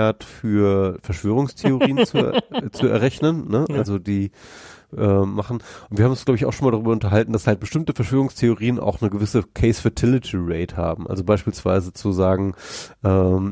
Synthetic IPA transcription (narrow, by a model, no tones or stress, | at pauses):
ɐtfyːɐfɛɐʃv̥øːʁʊŋstʰeoʁ̞iːənt͡sut͡suɛ̰ɐʁɛçnənːəʔʔalzodiː | ʔɛːmaχn̩ʊntviːhaːmnʊnsɡlaʊbɪçaʊxʃonmaːldaʁyːbɐʊntɐɦaltn̩d̥ashalt̚b̥əʃtɪmtəfɛɐʃv̥øːʁ̞ʊŋstʰeoʁiːənʔa̰ʊxnəɡəvɪsəkʰɛɪsfɛɐtʰɪlɪtʰiʁeɪtha̰ːbm̩ʔa̰lzobaɪʃpiːlsv̥a̰ɪzət͡suzaːɡŋ̩ʔɛːm